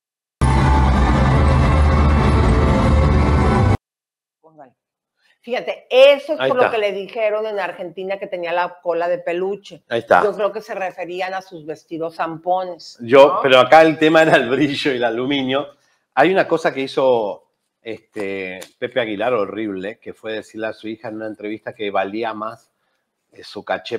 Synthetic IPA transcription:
oŋɡal | fixat̪e̞esoepoloakele̞ðixe̞ɾo̞ne̞naɾxe̞nt̪inake̞t̪e̞nialako̞laðe̞pe̞lut͡ʃeaist̪a̰d͡ʒo̞kɾe̞oke̞se̞re̞fe̞ɾianasuzβe̞st̪iðo̞sampo̞ne̞sʒo̞pe̞ɾoakaelt̪e̞mae̞ɾaelβɾiʒoilalumĩnjo̞ | ajunako̞sakeiso̞ | est̪epe̞pe̞aɣilaɾo̞riβ̞leke̞fwe̞ðe̞siɾleasuixaenunaent̪ɾe̞β̞ist̪ake̞βaliamas | esukat͡ʃe

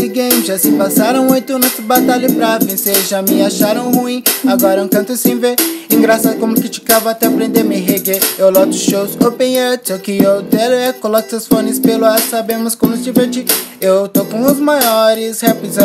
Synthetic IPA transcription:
siɡĩʒasɪpasaɾɐ̃w̃ojt̪ʊmĩnut̪zbat̪aʎɐpɾavẽseɾʒamɪaʃaɾɐ̃w̃huĩaɡɔɾɐ̃kɐ̃nt̪ʊsĩveɾẽɡɾasakõmʊkɪt͡ʃi̥kavɐat̪ɛpɾẽnd̪emɪɦeɡeewlɔt̪ʊ̥ʃowzopẽj̃ɐtsokɪowd̪ɛlɛkolɔkʊ̥sɐsfõnɪspelʊasabẽmʊskõmʊɪzd͡ʒiveɾt͡ʃiewt̪okõʊzmajɔɾɪshɛpizɐ̃

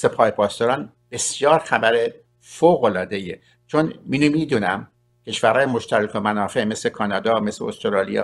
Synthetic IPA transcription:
se̞pʰɒːhepʰɒːst̪ɒɾɒːn | b̥e̞sjɒːɾxæbæɾe | foːɣolɒːd̪e̞iḛ | t͡ʃʰonminumid̪uːnæ̰m | cʰe̞ʃvæɾhɒːjemo̞ʃt̪æɾikʰomænɒːfe̞ʔme̞sle̞kʰɒːnɒːd̪ɒːme̞sleost̪oɾɑːlḭjɒ̰ː

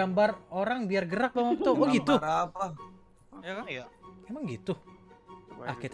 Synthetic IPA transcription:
ambaroɾaŋbiarɡəɾak̚bawak̚t̪ɔwaɡit̪uapla | jakajamemaŋɡit̪u | ʔa̰hkit̪

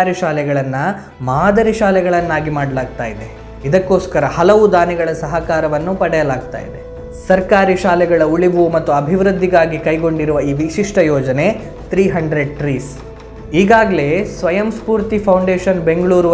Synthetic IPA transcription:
ɾiʃaːlɛɡɐɭɐnːɐ | maːd̪ɐɾiʃaːlɛɡɐɭɐnːaːɡimaːɽɐlaːɡ̚t̪aːjid̪e̞ | id̪ɐkːo̞ːskɐɾɐhɐlɐʋud̪aːnɛɡɐɭɐsɐɦɐkaːɾɐʋɐnːupɐɽɛjɐlaːɡ̚t̪a̰ːjḭd̪e̞ | sɐɾkaːɾiʃaːlɛɡɐɭɐuɭiʋumɐt̪ːuɐbʱiʋɾɨd̪ʱːiɡaːɡikɐjɡo̞ɳɖiɾuʋɐiːʋiʃiʂʈɐjɔːd͡ʒɐne̞ | t̪ɾiːɦɐɳɖɾe̞ɖ̚ʈɾiːs | iːɡaːɡɐle̞sʋɐjɐmspuːɾt̪ipʰɐwɳɖeːʃɐnbe̞ŋɡɐɭuːɾu

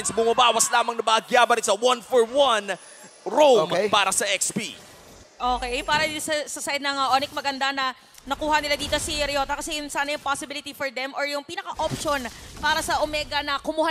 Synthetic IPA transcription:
nsbʊmɐbaːwɐslaːmɐŋnɐbɐːɡjaːbɐɾɪnsɐwɐ̃nfɔɹwɐn | ɾompaːɾɐsɐʔɛkspi | ʔoːkɛpaːɾɐisɐsɐsajd̪̚nɐŋɐʔoːnɪk̚mɐɡɐnd̪anɐ | nɐkuːhɐnɪlad̪iːt̪o̞siɾɐjo̞ːt̪ɐkɐsɛjʊnsaːnɐjʊŋpasɪbɪlɪt̪ifɔɹd̪ɛmʔoɹjʊŋpiːnɐkɐʔopʃonpaːɾɐsɐʔomɛːɡɐnɐkʊmuha

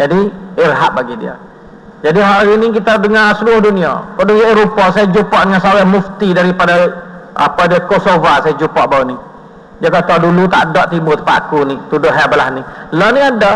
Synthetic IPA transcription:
d͡ʒadiirɦaʔbaɡidḭə̰ | d͡ʒadiɦaʔaɾinikit̪adəŋasəluʊhdunia̰kɔʔduŋaʔiɾupɔʔsajad͡ʒupɔʔdəŋansaɡamuft̪idaɾipadaa̰padiakosovasajad͡ʒupɔʔbauni | d͡ʒakat̪adulut̪a̰ʔdɔʔt̪ibʊt̪ə̥paʔakunit̪udʊʔɦɛblahnilɔniada

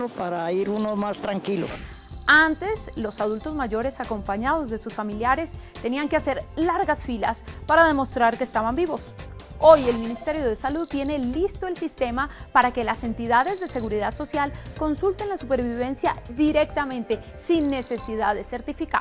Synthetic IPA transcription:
opaɾaiɾunomast̪ɾaŋkilo̰ | ant̪e̞slo̞sað̞ult̪o̞zmaʝo̞ɾe̞sako̞mpaɲaðo̞zðe̞susfamiljaɾe̞st̪e̞niaŋkease̞ɾlaɾɣasfilaspaɾaðe̞mo̞st̪ɾaɾkest̪aβambiβo̞s | o̞je̞lmĩnist̪e̞ɾjo̞ðe̞saluðt̪ːje̞nelist̪o̞e̞lsist̪e̞mapaɾakelase̞nt̪iðaðe̞zðe̞se̞ɣuɾiðaðso̞sjalko̞nsult̪e̞nlasupe̞ɾβiβ̞e̞nsjaðiɾe̞k̚t̪amẽ̞nt̪e̞ | sinːe̞se̞siðaðe̞se̞ɾt̪ifika̰

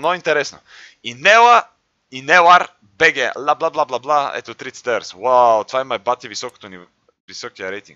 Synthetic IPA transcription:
noint̪ɛɾɛsno | inɛla | inɛlaɾ | bɛɡɛlˠablˠablˠablˠablˠaɛ̰t̪ot̪ɾit̪sɛ̥t̪ɛɾswawt̪vaimajbat̪ivisɔko̥t̪oni | visɔkijəɾɛjt̪ḭ̃ŋk

